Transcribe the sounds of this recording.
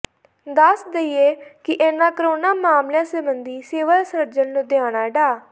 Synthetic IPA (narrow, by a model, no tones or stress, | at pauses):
d̪əsd̪eieːkɪʔeːnãːkəɾoːnaːmaːmlãːsəbənd̪iːseːʋəsəɾd͡ʒənnũːd̪ɪãːñaːɖaː